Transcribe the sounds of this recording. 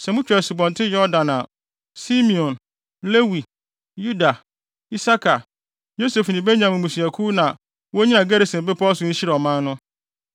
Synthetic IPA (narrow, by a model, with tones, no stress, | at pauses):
sɛ˨mʊ̃˦t͡ɕʰᶣɛ˨sɪ˨bɔ̃˨n˨tʰɪ˦jɔ˦dã˨nã˨ | si˦mĩ˨ɔ̃˨n | le˦wi˨ | ju˦da˨ | i˦sa˦kʰa˨ | jo˦se˨fnɪ̃˨be˦ɲã˨mɪ̃˨mũ˨si˨æ˨kʰu˦nã˨ | wo˦ɲĩ˦nã˨ɡe˦ɾe˨sɪ̃˨mbɪ˦pʰɔ˦sʊ̃˨ɲ̩˦ɕi˦ɾɛ˨ɔ˨mã˦nːʊ̃˦